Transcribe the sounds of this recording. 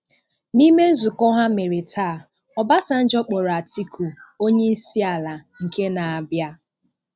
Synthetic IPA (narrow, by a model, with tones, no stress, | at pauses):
ni˦me˦n̩˦zʊ˨kɔ˦ɦa˦me˨ɾe˨tʰaː˦˨ | ɔ˨ba˦sa˦n̩˦d͡ʒɔ˦k͡po˨ɾa˨ti˦kʰu˨o˦ɲe˦si˦a˨la˨ŋ̩˨ke˦na˨a˨bja˦